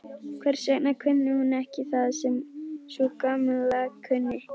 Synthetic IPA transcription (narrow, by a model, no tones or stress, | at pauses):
kʰvɛɾ̥sɛknakʰʏnːɪhunːɛhcɪθaðsɛmsuːkamʏlakʰʏnːɪ